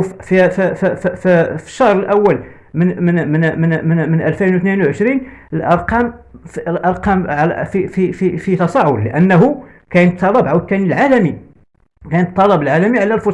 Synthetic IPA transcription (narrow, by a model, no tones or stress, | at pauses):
fifffffə̥ʃːɑhɾˤəlʔæwːəl | məmənmənmənmənmənʔælfinwt̪ninwʕəʃɾinəlʔɑɾˤqɑmfəlʔɑɾˤqɑmʕl̰fifififit̪ɑsˤɑʕʊlləʔənːəɦu | kænət̪ʰːɑlˤːɑbʕawt̪ːænilʕalæmi | kænət̪ˤːɑlˤɑbəlʕalæmiʕlælfʊ